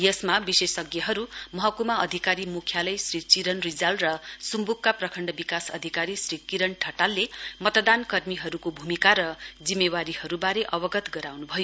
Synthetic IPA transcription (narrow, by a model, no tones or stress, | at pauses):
jʌsmabisesʌɡjʌɦʌɾumʌɦʌkumaʌd̪ʱikaɾimukʰjalʌjsrit͡siɾʌnrid͡zalrʌsumbukːaprʌkʰʌɳɖʌbikasʌ̰d̪ʱikaɾisrikiɾʌɳʈʰʌʈalːemʌt̪d̪ankʌrmiɦʌɾukobʱumikaɾʌd͡zimːewaɾihʌɾubaɾeʔʌbʌɡʌt̪ɡʌɾawnubʱʌjo